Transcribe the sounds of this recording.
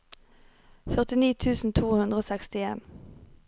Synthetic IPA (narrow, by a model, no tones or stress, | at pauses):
fœʁt̪ɪniːt̪ʰʉːsn̩t̪ʰuːhʉnd̪ʁəoːsɛkst̪ɪeːn